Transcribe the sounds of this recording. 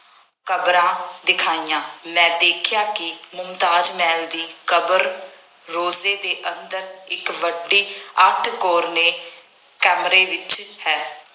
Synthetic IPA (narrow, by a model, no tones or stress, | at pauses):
kəbɾãːd̪ɪkʰaːijãːmɛ̃ːd̪eːkʰjaːkɪmʊmt̪aːd͡ʒmɛːld̪iːkəbəɾ | ɾoːzeːd̪eːʔənd̪əɾɪkʋəɖːiːəʈʰkoːɾneː | kɛːmɾeːʋɪt͡ʃhɛː